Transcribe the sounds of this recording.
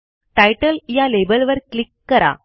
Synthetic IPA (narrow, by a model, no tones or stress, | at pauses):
ʈajʈəljalebəlʋəɾklikːəɾa̰